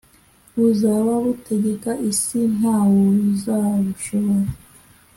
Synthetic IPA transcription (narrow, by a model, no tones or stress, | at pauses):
βuzawaβutʰeɟekaʔisin̥aːwouzaβuʃoβoɾa